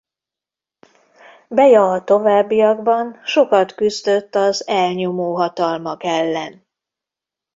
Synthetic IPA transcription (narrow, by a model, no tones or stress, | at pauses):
bɛjɒɒt̪o̞vaːbːijɒɡbɒnʃo̞kɒt̪kyzd̪ø̞t̪ːɒzɛlɲo̞moːɦɒt̪ɒlmɒkɛlːɛn